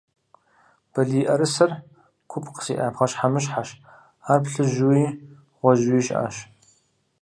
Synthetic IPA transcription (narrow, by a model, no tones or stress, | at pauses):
b̥ɐɮiːʔɐɾɨsɐr | kʷʰʊpʰqə̥sḭːʔa̰ːpχɐɕħamɨɕħaʃ | aːpɬɨʒuwiː | ʁʷɔʒiːʃʔa̰ːʃ